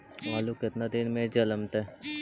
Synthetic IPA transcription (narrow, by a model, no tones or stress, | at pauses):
ʋaːlukɪt̪nad̪ɪnmẽd͡ʒələmt̪ɛ